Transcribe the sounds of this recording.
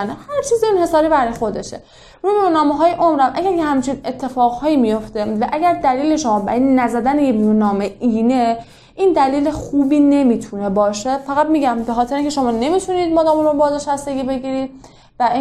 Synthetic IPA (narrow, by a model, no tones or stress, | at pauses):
nehæɾt͡ʃʰiːziinhe̞sɒːɾiːbæɾɒːjexo̞d̪e̞ʃḛ | ɾuːjeɾunɒːmeɦɒːjeʔomɾæmʔæɡæɾjehæmt͡ʃʰine̞t̪ʰːe̞fɒːɣhɒːjimijo̞ft̪e̞væʔæɡæɾd̪æliːle̞ʃo̞mɒːbæ̰ɾjenæzæd̪ænejenunɒːmeʔiːne | ʔiːnd̪æliːlexuːbiːne̞miːt̪ʰune̞bɒːʃefæɣæt̪̚miːɟæmbe̞xɒːt̪ʰeɾeinːcʰe̞ʃo̞mɒːne̞miːt̪ʰuniːd̪̚mɒːd̪ɒːmɾobɒːzeʃæst̪e̞ɡʲiːbe̞ɡiːɾiːd̪ | væi